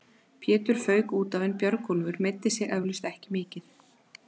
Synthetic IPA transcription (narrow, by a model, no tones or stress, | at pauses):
pʰjɛːt̪ʏɾ̥fœːɥkuːt̪avejnpjœɾkɔlvʏɾmɪt̪ːɪsjɛɣʔɛvlʏst̪ɛhcɪmɪːcɪn̥